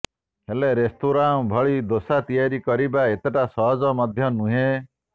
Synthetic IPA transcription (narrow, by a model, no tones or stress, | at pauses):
heleɾest̪ʰuɾaŋbʱɔɭid̪osat̪ijaɾikɔɾibaet̪eʈasɔɦɔd͡ʒɔmɔd̪ʱjɔnũɦẽ